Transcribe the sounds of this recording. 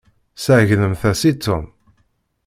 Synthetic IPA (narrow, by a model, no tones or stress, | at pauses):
səʝnəmθæsit̪ːum